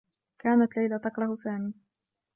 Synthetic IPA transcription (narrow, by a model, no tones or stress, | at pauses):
kaːnat̪lajlat̪ɑkɾˤɑhsaːmiː